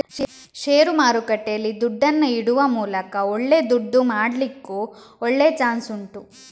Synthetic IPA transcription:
ʃeːɾumaːɾukɐʈːeɐlːid̪uɖːɐnːɐiɽuʋɐmuːlɐkɐɔɭːe̞d̪uɖːumaːɽlikːuː | ɔɭːet͡ʃaːnsuɳʈu

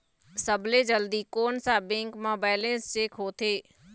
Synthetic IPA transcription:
səbled͡ʒəld̪ikoːnsabẽːŋkmoːbaːɪlẽːst͡ʃeːkɦoːt̪ʰeː

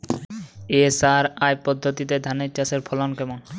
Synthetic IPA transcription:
esaɾajpɔd̪ʱːot̪it̪ed̪ʱanet͡ɕaseɾpʰɔlankɛmon

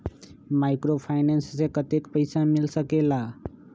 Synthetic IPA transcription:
majkɾopʰajnenssekət̪ekpəjsamilsəkela

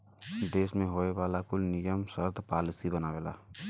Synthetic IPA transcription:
d̪eːsmẽɦoeʋalakʊlnijəmsəɾd̪paːlisibənaʋela̰

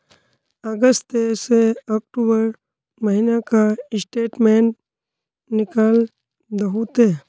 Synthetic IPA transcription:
əɡəst̪eseɔːk̚ʈubəɾ | məɦinakaɪsʈeːʈmeːɳ | nɪkal | d̪əɦut̪e

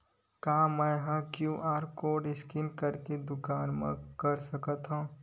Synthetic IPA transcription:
kaːmɛ̃jɦãkjuːʔaːɾkoːɖɪskɪnkɐɾked̪ʊkaːnmḛ̃kɐɾsɐkət̪ɦõː

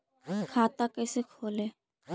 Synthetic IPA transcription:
kʰaːt̪akɛːsekʰoːleː

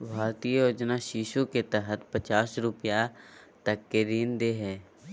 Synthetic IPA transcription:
bʱaːɾt̪ijəjoːd͡ʒnaʃiːʃuket̪ɛɦət̪pɐt͡ʃaːsɾʊpija | t̪ɐkːeɾiːnd̪eɦɛː

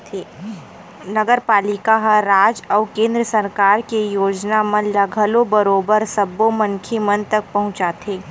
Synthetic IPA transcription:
nɐɡəɾpaːlɪkaɦaɾːaːd͡ʒɔːkẽːnd̪ɾəsɐɾkaːɾkejoːd͡ʒnamɐ̃nlɐɡʱəlobɐɾoːbəɾsɐbːomɐnkʰemɐnt̪ɐk̚pɐɦʊ̃t͡ʃaːt̪ʰeː

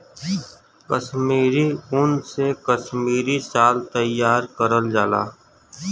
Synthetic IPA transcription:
kəʃmiːɾiʊnsekəʃmiːɾisaːlt̪əjaːɾkəɾəld͡ʒaːla̰ː

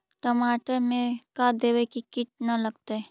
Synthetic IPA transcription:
ʈomaːʈəɾmẽkad̪eːwekikɪʈ̚nalɐɡt̪aɛː

